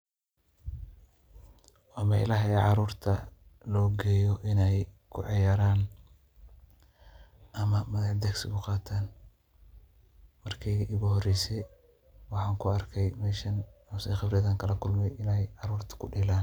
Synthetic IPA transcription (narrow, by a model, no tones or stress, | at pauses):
wɑːmɛ̰lɐɦɛʕɑɾuːrt̪ʰɐlɔːɡɛːjɔʔɪnɛj | kʰʊ̰ʕɪjaːɾaːn | ʔɐmɐmɐðɐħd̪ɛɡsɪɣʊqɑːt̪ʰaːn | mɐrkʰɛjɣɐʔɪɣʊhɔrɛjsɛj | wɑħɑːŋkʰʊɐrkʰɛjmɛːʃɐnɔsɛjχɑbrɪjɐðɐːŋkʰɐlɐkʰʊlmɛjɪnɛjʕɑɾuːrt̪ʰɐ̥kʰʊɖɪlaːn